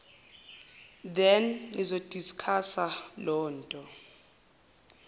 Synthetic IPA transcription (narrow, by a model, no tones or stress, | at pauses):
d̪ɛnlizod̥ʼʱiskʰasalɔːntʼɔ